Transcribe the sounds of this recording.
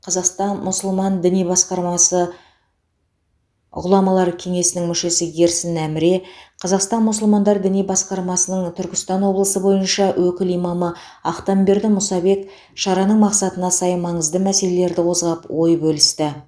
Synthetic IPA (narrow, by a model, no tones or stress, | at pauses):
qʰɑzɑqst̪ɑnmʊsʊlˠmɑnd̪ɪnijbɑsqɑɾmɑsə | ʁʊlˠɑmɑlˠɑɾəkʲʰe̞ŋe̞sɪnɪŋmʏʃe̞sɪɡʲe̞ɾsɪnæmɪɾe̞qʰɑzɑqst̪ɑnmʊsʊlˠmɑnd̪ɑɾd̪ɪnijbɑsqɑɾmɑsənəɴt̪ʰʏɾkʲɪ̥st̪ɑnwo̞blˠəsəbo̞jənʃɑwʔɵkʲɪlijmɑmə | ɑqt̪ɑmbe̞ɾd̪ɪmʊsɑbe̞k | ʃɑɾɑnəɴmɑqsɑt̪ənɑsɑjmɑɴəzd̪əmæse̞le̞le̞ɾd̪ɪqʰo̞zʁɑpwo̞jbɵlɪst̪ɪ